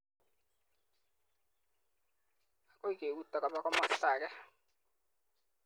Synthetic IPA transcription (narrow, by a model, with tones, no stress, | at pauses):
a˨kʼo˦i˦kʼe˨wu˦tːa˨ka˨ba˦kɔ˦ma˦ɬaː˨kɛ˦